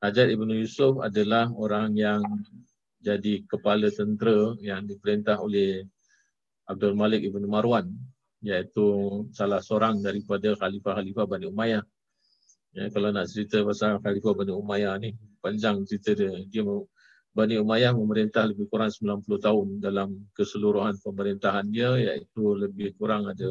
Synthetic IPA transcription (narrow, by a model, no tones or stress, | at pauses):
had͡ʒat̪ibanujusʊfa̰dalahoɾaŋjaŋ | d͡ʒadikəpalət̪ənt̪ɾəjaŋdipəɾint̪aɦolɛh | ʔab̚dɔlmalɪk̚ibanumaɾuan | jait̪usalahsoɾaŋdaɾipadahalifahalifahbaniumajah | jakalanaʔt͡ʃəɾit̪əpasalhalifabaniumajahnihpaɲd͡ʒaŋt͡ʃəɾit̪ədədiəm | baniumajahməməɾint̪ahləbɪhkuɾaŋsəmbilanpuluht̪aʊndalamkəsəluɾuɦanpəməɾint̪aɦandiəja̰ʔit̪uləbɪhkuɾaŋada